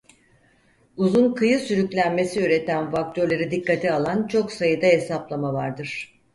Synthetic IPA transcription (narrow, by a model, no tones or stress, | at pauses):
uzunkʰɯjɯsyɾyclʲænme̞siyɾe̞t̪ʰænfak̚t̪ʰøɾlʲeɾid̪ikːat̪ʰialˠant͡ʃʰo̞ksajɯd̪aɦe̞saplˠamavaɾd̪ɯɾ̥